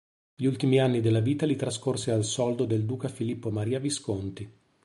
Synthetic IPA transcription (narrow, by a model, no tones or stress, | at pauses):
ʎiult̪imianːid̪elːaviːt̪alit̪ɾaskorsealsɔld̪od̪eld̪uːkafilipːomaɾiːaviskont̪i